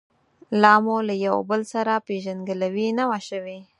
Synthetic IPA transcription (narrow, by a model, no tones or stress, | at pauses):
lɑmolajawbəlsaɾapeʒanɡəlawinawaʃəwe